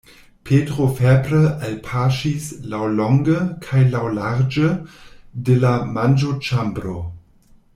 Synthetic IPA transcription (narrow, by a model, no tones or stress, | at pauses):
pʰeːtʁofɛbɾəʔalpʰaʃislawlɔŋɡəkʰajlawlaʁd͡ʒə | delamand͡ʒot͡ʃambɾo